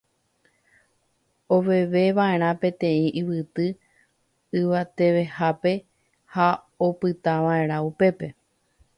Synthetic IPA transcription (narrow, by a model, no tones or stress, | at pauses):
o̞ʋe̞ʋe̞ʋae̞ɾ̃ãpẽ̞t̪ẽ̞ĩʔiʋɨt̪ɨ | ɨʋat̪e̞ʋe̞hape̞ | ha | opɨt̪aʋãẽ̞ɾ̃ãupe̞pe̞